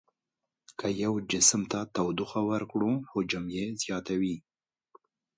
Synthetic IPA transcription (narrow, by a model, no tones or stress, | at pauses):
kʰajawd͡ʒɪsmt̪at̪awd̪ʊxawaɾkɽuxod͡ʒamjezjɑt̪awi